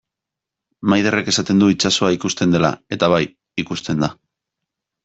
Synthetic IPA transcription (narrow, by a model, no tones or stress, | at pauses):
majðere̞ke̞sat̪e̞nd̪uit͡ʃaso̞aikust̪e̞nd̪e̞la̰e̞t̪aβaj | ikust̪e̞nd̪a